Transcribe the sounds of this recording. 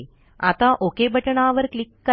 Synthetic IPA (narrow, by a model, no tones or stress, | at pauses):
a̰t̪aʔokebʱəʈəɳaːʋəɾklikːə